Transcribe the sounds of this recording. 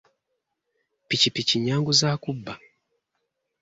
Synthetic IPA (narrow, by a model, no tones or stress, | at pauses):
pit͡ʃipit͡ʃiɲaŋɡuzakubːa